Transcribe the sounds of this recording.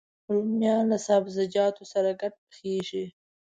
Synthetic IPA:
ʊlʊmjɑlasɑbzad͡ʒɑt̪osaɾaɡaʈ̚pə̥xeʒi

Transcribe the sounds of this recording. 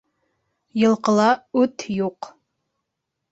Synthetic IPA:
jɨlˠqəlˠɑʉt̪ʰjuq

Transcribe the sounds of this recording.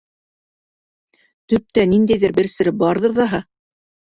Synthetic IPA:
t̪ɵ̆p̚t̪ænind̪æjðɘɾbɘ̆ɾsɘ̆ɾɘbɑɾðɤ̆ɾðɑɦɑ

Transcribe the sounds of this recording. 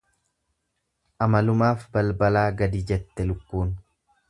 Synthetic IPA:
ʔɐmɐlʊmaːfbɐlbɐlaːɡɐd̪id͡ʒɛt̪ːɛlʊkːuːn

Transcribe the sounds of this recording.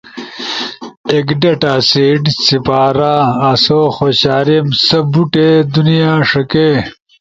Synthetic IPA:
ekɖɐʈaːseːɖsipaːɾaːɐsoːxoːɕaːɾimsɐbuʈed̪unijãːʂɐkeː

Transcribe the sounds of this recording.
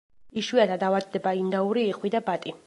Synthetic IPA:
iʃwiat̪ʰad̪avad̪̚ːɛbaind̪auɾiːχwid̪abat̪ʼi

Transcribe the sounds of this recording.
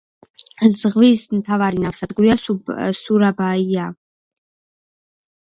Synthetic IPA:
zʁvismt̪ʰavaɾinafsad̪ɡuɾiasuɾabaia

